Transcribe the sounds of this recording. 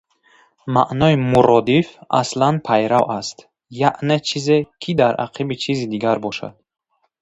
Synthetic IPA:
ma̰ʔnɔimuɾɔd̪ifa̰slanpʰajɾawʔast̪ | jaʔnet͡ʃʰizekʰid̪aɾa̰qʰibit͡ʃʰizid̪iɡaɾbɔʃa̰d̪̥

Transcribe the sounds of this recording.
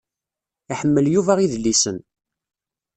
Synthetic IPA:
iħəmːəljuvæʁiðlːisən

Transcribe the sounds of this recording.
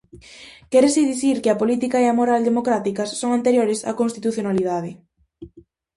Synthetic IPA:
kɛɾesɪðiθiɾkɪɐpolit̪ikɐeamoɾald̪emokɾat̪ikɐsːoŋant̪eɾjoɾɪsa̰kõnst̪it̪uθjonalið̞að̞ɪ

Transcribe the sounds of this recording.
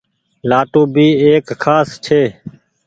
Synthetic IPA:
laːʈũːbʱiːeːkkʰaːst͡ʃʰeː

